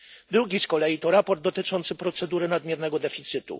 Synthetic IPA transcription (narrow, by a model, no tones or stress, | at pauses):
d̪ɾuɡʲiskɔlɛjit̪ɔɾapɔɾd̪ːɔt̪ɘt͡ʂɔnt̪sɘpɾɔt̪sɛd̪uɾɘnad̪mʲjɛɾnɛɡɔd̪ɛfʲit̪sɘt̪ṵ